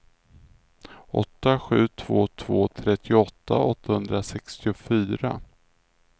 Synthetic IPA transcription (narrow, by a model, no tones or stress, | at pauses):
ɔ̰t̪ːaɧʉ̟ːt̪ʰv̥oːt̪ʰv̥oːt̪ʰɾɛt̪ʰːɪʊɔt̪ːa̰ɔt̪ːahɵnd̪ɾasɛkst̪ɪʊfyːɾa̰